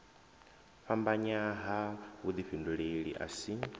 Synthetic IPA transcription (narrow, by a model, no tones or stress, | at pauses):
ɸambaɲaɦawud̪iɸinduɺeɺḭʔa̰si